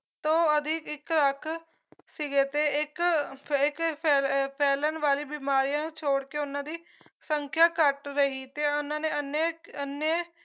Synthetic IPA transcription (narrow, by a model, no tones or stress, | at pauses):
t̪õːəd̪ʱɪkɪkləkʰ | sɪɡeːt̪eːɪkɪkpʰɛːpʰɛːlənʋaːɾiːbiːmaːɾijãːnũːt͡ʃʰoːɽkeːʊnːãːd̪iː | səŋkʰjaːkəʈɾəɦiːt̪eːʊnːãːneːənːeənːeː